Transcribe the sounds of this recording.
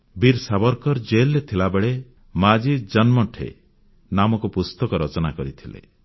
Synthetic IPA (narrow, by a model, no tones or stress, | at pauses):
biɾsabɔɾkɔɾd͡ʒelːet̪ʰilabeɭe | mad͡ʒid͡ʒɔnmɔʈʰḛ | namɔkupust̪ɔkɔɾɔt͡ʃɔnakɔɾit̪ʰilḛ